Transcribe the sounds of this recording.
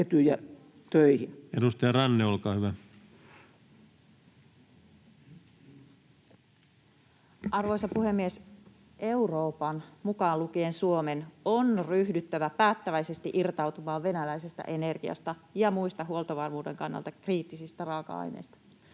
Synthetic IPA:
et̪yjæ | t̪øihinedust̪ɑjɑrɑnːeolkɑːhyʋæ | ʔɑrʋo̞jsɑpuɦe̞mːies | ʔe̞uro̞ːpɑnmukɑːlukiensuo̞me̞nonryhdyt̪ːæʋæpæːt̪ːæʋæjse̞st̪iʔirt̪ɑwt̪umɑːʋʋe̞nælæjse̞st̪æ̰ʔe̞ne̞rɡiɑ̰st̪ɑjɑmujst̪ɑɦuo̞lt̪oʋɑrmuːde̞ŋkɑnːɑ̰lt̪ɑkriːt̪ːisist̪ærɑːkɑ̰ɑ̰jnḛjst̪ɑ̥

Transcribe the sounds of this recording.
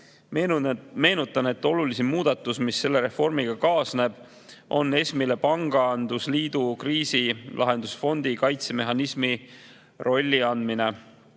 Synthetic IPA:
me̞ːnut̪ːˑɑne̞t̪ːˑo̞lulisimmuːd̪ɑt̪ːˑusmisːe̞lːe̞ɾe̞fo̞rmiɡ̥ɑkɑːsne̞b̥ | ʔo̞nːe̞smile̞pɑŋɡ̥ɑɑnd̪̥usliːd̪̥ukriːsilʔɑ̰ɦe̞nd̪̥usfo̞nd̪ikɑjt̪se̞me̞ɦɑnismi | rʔo̞lʲːiɑnd̪mine̞

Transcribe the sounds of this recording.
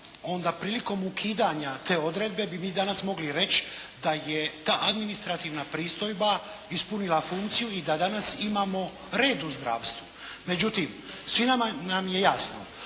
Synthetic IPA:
o̞nd̪apɾiːliko̞mukʰiːd̪aɲat̪e̞ːo̞d̪ɾe̞d̪̚be̞bimiːd̪anasmo̞ɡliɾe̞t͡ʃd̪ajet̪aːʔad̪minist̪ɾat̪iːʋnapɾiːst̪o̞jba | ispunilafuŋkt̪sijuid̪ad̪anasimaːmo̞ | ɾe̞ːd̪uzd̪ɾa̰ːʋst̪vume̞d͡ʑut̪imsʋinamanamje̞jasno̰

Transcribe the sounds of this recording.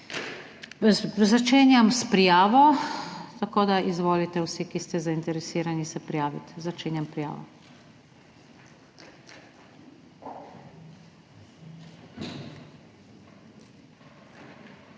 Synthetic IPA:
zat͡ʃeːnjamspɾijaːʋɔt̪akoːd̪aʔizʋoːlit̪ɛwsikist̪ɛzaint̪ɛɾɛsiːɾanisɛpɾijaːʋḭt̪zat͡ʃeːnʲjampɾija̰ːʋɔ̰

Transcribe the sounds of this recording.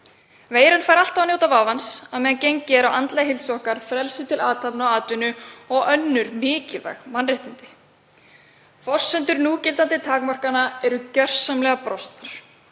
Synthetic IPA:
veːjɾɪnfaːjɾal̥t̪avnjoːwt̪avavansaðmɛðancejɲcːɛɾawant̪laɦɪlsɔhkaɾ̥fɾɛlsɪt̪ʰɪlʔaːt̪ʰapnʏawaːt̪vʏnʏɔɣœnːʏɾmɪːcɪva̰ɣmanrɪht̪ɪnt̪ɪ̥ | fɔr̥sːɛnt̪ʏɾnuːcɪlt̪ant̪ɪt̪ʰaːkmar̥kanaɛɾʏcœr̥samlɛɣapɾɔst̪aɾ̥

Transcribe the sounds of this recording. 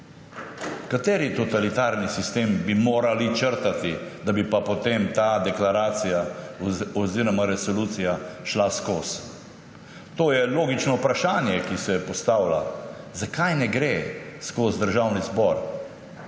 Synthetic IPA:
kat̪eːɾit̪ɔt̪alit̪aːɾnisist̪eːmbimoːɾalit͡ʃəɾt̪at̪id̪abipapɔt̪emt̪aːd̪ɛklaɾaːt̪sija | ɔziɾɔmaɾɛsɔluːt̪sijaʃlaskos | t̪oːjɛloːɡit͡ʃnɔwpɾaʃaːnjɛkisɛpɔst̪aːwla̰ | zakajnɛɡɾeskozd̪əɾʒawnizbɔɾ

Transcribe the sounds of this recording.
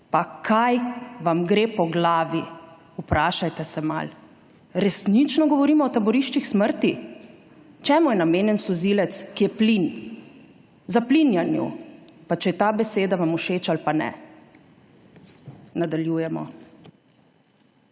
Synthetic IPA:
pakʰajʋamɡɾeːpɔɡlaːʋi | upɾaːʃajt̪ɛsɛma̰l | ɾɛsnit͡ʃnɔɡɔʋɔɾiːmɔːt̪abɔɾiʃt͡ʃixsməɾt̪i | t͡ʃɛːmujɛnameːnjɛnsɔziːlɛt̪skijɛplin | zaplinjanjṵpat͡ʃɛjɛt̪aːbɛseːd̪aʋamuʃeːt͡ʃalpanɛ̰ | nad̪aljuːjɛmɔ̰

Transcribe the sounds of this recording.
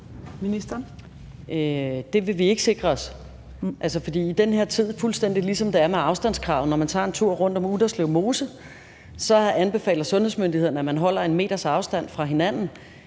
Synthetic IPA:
minisd̥ɐ | d̥e̝ʋe̝ʋie̝ɡ̥ə̥se̝ɡ̥ʁɐɒ̽s | ʔælsəfɒ̽d̥ḭːid̥enɦe̝ɐ̰t͡sʰið̞̰ˠfulsd̥en̰d̥ilisɒ̽md̥eæɐmeɑ̈ʊsd̥æn̰skʰʁɑ̈ʊnɒmænt͡sʰɑ̰̈e̝nt͡sʰuɐ̰ʁɔ̽n̰d̥ɒ̽muðˠɐsleʊmo̝ːsə | sɒ̽ænb̥e̝fɛ̰ːlð̩ˠsɔ̽nhesmønd̥ihe̝ð̰ˠɐn̩æmænɦɒ̽l̰ɐe̝nme̝̰ːd̥ɐsɑ̈ʊsd̥æn̰fʁɑ̈ɦe̝næn̰n̩

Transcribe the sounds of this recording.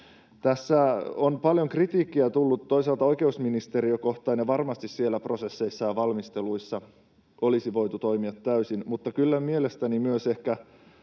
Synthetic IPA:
t̪æsːæonpɑljoŋkrit̪iːkːiæt̪ulːut̪ːoisɑlt̪ɑo̞jke̞usminist̪eɾiøko̞ht̪ɑineʋɑrmɑst̪issielːæpro̞sesːeisːɑjɑʋɑlmist̪eluisːɑ | olisiʋo̞it̪ut̪oimiɑt̪ːæysinmut̪ːɑkylːæmielest̪ænimyøsehkæ

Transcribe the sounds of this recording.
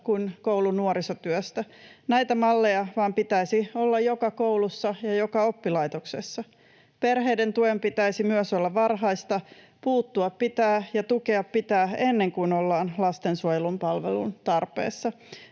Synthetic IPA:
kunkouwlunuoɾisot̪yøst̪ænæjt̪æmɑlːe̞jɑʋɑːmpit̪æisio̞lːɑjjokɑkouwlusːɑjɑjokɑo̞pːilɑjt̪oksesːɑ | perɦejdent̪uempit̪æisimyøsolːɑʋɑrɦɑist̪ɑ | puːt̪ːuɑppit̪æːjɑt̪uke̞ɑppit̪æːenːe̞ŋkuinolːɑːnlɑst̪ensuojelumpɑlʋḛlṵnt̪ɑrpḛːsːɑ

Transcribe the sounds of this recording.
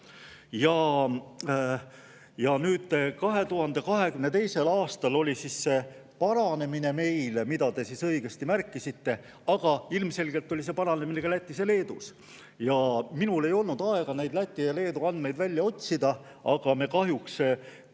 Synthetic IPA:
jɑ | jɑnyːd̪̥kɑɦe̞t̪uɦɑnd̪e̞kɑɦe̞kymne̞t̪e̞jse̞lɑːst̪ɑlo̞lʲisisːe | pɑɾɑne̞mineme̞jlmid̪̥ɑd̪e̞sisɤiɡ̥e̞st̪imærkːˑisit̪ːe̞ | ɑɡ̥ɑilmse̞lʲɡelt̪ːˑo̞lʲis̬e̞pɑɾɑne̞mineɡɑlæt̪ʲːˑisele̞ːd̪̥us | jɑminule̞jo̞lnud̪ɑe̞ɡ̥ɑnejd̪læt̪ʲˑːiele̞ːd̪uɑnd̪me̞jd̪vælʲːjɑo̞t̪ʲsid̪̥ɑ | ɑɡ̥ɑme̞kɑɦjuks

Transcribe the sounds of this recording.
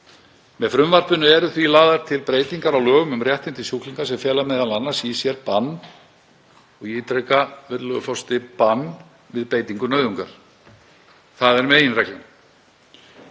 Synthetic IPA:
mɛðfɾʏmvar̥pʏnʏɛɾʏθvilaːðaɾ̥t̪ʰɪlpɾeːjt̪iŋkaɾawlœːɣʏmʏmrjɛht̪ɪnt̪ɪsjukliŋkḁsɛmfjɛːlamɛðananːasisjɛɾpanː | ɔɣiːt̪ɾejkavɛt̪lœɣʏfɔwst̪ɪpanː | vɪðpeːjt̪iŋkʏnœːðʏŋkaɾ̥ | θaðɛɾmɛejɪnrɛklɪn

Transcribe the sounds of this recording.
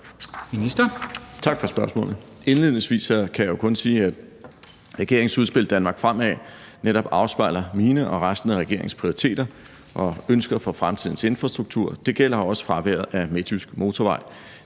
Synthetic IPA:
minisd̥ɐt͡sʰɑ̈ɡ̥fɒ̽sb̥ɶɐsmɔ̰̽ːlð̩ˠ | e̝nleðˠne̝ŋsʋḭːsɐkʰæjajo̝kʰɔ̽nsiːæd̥ | ʁɛɡ̥e̝ɐ̰e̝ŋsuð̞ˠsb̥e̝ld̥ænmɑ̈ːɡ̥fʁam̰ɛ̰ | neɾɒ̽b̥ɑ̈ʊsb̥ɑ̈ɪlɐmiːnəʔɒ̽ʁasd̥n̩əʁɛɡ̥e̝ɐ̰e̝ŋspʰʁioʁit͡sʰe̝̰ːd̥ɐ | ʔɒ̽ønsɡ̥ɐfɒ̽fʁamt͡sʰiðˠn̩se̝nfʁɑ̈sd̥ʁuɡ̥̚t͡sʰuɐ̰d̥e̝ɡ̥el̰ɐɒ̽sə̥fʁɑ̈ʋeɐðˠæmet͡sʰysɡ̥mo̝ːt͡sʰɒʋɑ̈ɪl

